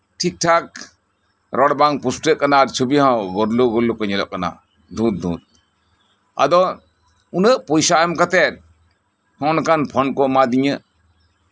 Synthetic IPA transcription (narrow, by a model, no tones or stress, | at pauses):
ʈʰik̚ʈʰak̚ | ɾɔɽbaŋpusʈɾəʔkanaɾt͡ʃʰubihãwɡɔɾluɡɔɾlukɔɲɛlɔ̰ʔkana̰ | d̪ʱũt̪̚d̪ṵ̃t̪̚ | a̰d̪ɔ | unəʔpɔjsaʔamkat̪ɛt̪̚ | hɔ̃ɔnakanpʰɔnkɔmad̪iɲə